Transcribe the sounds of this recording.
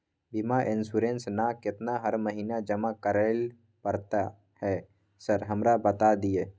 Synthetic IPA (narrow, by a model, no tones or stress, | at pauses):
bimaʔɪnsuɾẽnsnakɪt̪naɦəɾməɦiːnad͡ʒəmakəɾəl | pəɾt̪a | hɛ | səɾɦəmɾabət̪ad̪ijeː